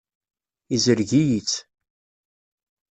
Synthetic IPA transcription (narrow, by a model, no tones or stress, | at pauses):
izəɾʝijit͡sː